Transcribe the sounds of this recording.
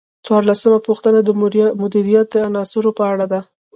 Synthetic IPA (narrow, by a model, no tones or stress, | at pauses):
t͡swɑɾlasəmapuxt̪ənad̪əmʊd̪iɾijat̪̚d̪əanɑsʊɾopəaɽad̪a